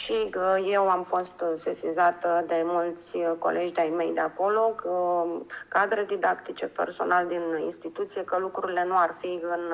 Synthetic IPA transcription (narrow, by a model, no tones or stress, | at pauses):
ʃije̞wamfo̞st̪sesizat̪d̪e̞mult̪sʲko̞̰lʔe̞d͡ʒd̪ajme̞jd̪eako̞lo̞kə | kad̪ɾed̪id̪akt̪it͡ʃe̞pe̞̰rso̞̰nald̪inḭnst̪it̪ut̪sije̞kəlukɾuɾile̞nuarfiɨn